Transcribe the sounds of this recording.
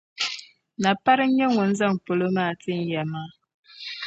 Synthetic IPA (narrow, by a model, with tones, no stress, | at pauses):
na˨pa˦ɾɨ˦ɲɛ˦ŋʊ˨n̩˦za˦˨ŋ˨po˨lo˦maː˦˨tɨ˦n̩˦jɛ˨maː˦